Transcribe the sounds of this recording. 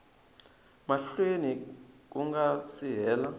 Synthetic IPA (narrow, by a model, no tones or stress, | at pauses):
maɬwenik̬uŋɡasiɦɛːla